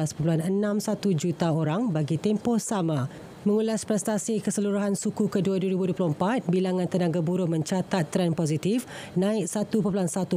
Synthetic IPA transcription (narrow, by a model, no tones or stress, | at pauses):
aspəp̬luɦanənãmsat̪ud͡ʒut̪aoɾaŋbaɡit̪ɛmpɔhsamã | mə̃ŋulaspɾɛst̪asikəsəluɾuɦansukukəduaduəɾibuduapluəmpat̪̚bilaŋãnt̪ənãɡabuɾʊhmə̃ɲt͡ʃat̪at̪ːəɾɛnpozit̪if | nãɪk̚sat̪upəpluɦansat̪u